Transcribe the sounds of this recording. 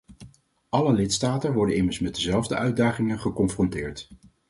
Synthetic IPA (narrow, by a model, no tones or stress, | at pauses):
ʔɑləlɪtstaːtənʋɔɹdənɪməɹsmɛd̚əzɛlˠvdəʔœɥdaːχɪŋəχəkɔnfrɔntɪːɹt